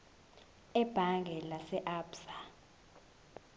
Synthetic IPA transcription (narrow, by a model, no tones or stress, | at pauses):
ɛb̥ʱaŋɡʱɛlasɛʔaːpsa